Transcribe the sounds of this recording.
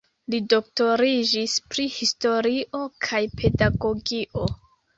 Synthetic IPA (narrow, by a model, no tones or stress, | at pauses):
lidok̚to̞ɾid͡ʒispɾihisto̞ɾiʔo̞kʰajpʰe̞daɡo̞ɡiʔo̞